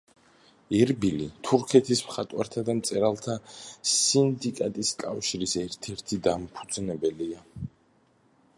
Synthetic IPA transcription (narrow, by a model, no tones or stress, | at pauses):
ɛɾbilit̪ʰuɾkʰɛt̪ʰismχat̪ʼwa̰ɾt̪ʰad̪amt̪sʼɛɾalˠt̪ʰasind̪ikʼat̪ʼiskʼafʃiɾisɛɾt̪ʰɛɾt̪ʰid̪ampʰu̥d̪znɛbɛlia